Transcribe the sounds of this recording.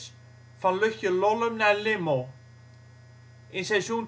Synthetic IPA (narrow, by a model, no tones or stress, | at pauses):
s | fanlʏhʏlɔlʏmnɛlɪmo | ɪnsesun